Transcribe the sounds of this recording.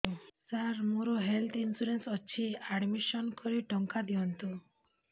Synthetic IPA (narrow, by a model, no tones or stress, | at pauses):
saɾmuɾɔɦelt̪ʰinsuɾensɔt͡ʃʰiaɖmiʃɔnkɔɾiʈɔŋkad̪iɔnt̪u